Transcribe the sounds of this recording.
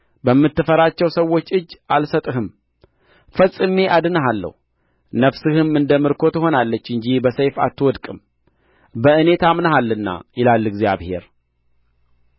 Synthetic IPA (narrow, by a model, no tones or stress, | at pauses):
bəmːɨt̪ːɨfəɾat͡ʃːɛwsəwːo̞t͡ʃːɨd͡ʒːalsət̪ʼɨɦɨm | fəsʼːɨme̞ʔad̪ɨnəɦalːə̰hu | nəβsɨhɨmɨnd̪əmɨɾkʰo̞t̪ho̞nalːət͡ʃːɨɲd͡ʒibəsəjfa̰t̪ːɨwɔd̪kʼɨm | bəʔɨne̞t̪amnəhalːɨnːa̰jɪlalːɨɡzjaβhe̞ɾ